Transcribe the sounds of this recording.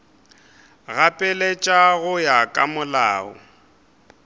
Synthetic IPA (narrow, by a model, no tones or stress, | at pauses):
ɣapʼɛlet͡ʃʼaɣʊjakʼamʊlaːʊ̰